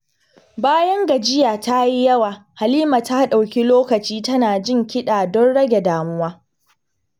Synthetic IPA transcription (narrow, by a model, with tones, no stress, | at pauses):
baː˦jɐ˦ŋɡɐ˨d͡ʒɪ˦jaː˨ta˦ji˦jɐ˦waː˨ha˨liː˦ma˨ta˦a˦ɗa˨wkʲi˦loː˦kɐ˨t͡ʃiː˦tɐ˦naː˨d͡ʒɪ˦˨ŋkʲɪ˦ɗaː˨dɔ˦nɽɐ˦ɡʲe˨daː˨mʊ˦waː˦